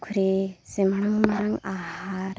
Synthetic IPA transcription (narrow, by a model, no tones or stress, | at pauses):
kʰuɾizimaɺamumaɾaŋahaɾ